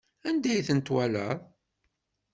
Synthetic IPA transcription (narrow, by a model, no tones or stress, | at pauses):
ænd̪æjθənt̪wælə̰ðˤ